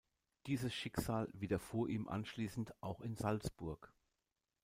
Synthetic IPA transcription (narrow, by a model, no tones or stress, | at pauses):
d̥iːzəsʃɪkz̥aːlviːdɐfoːɐʔiːmʔa̰nʃliːsn̩tʔaʊxɪnzalsb̥ʊɐk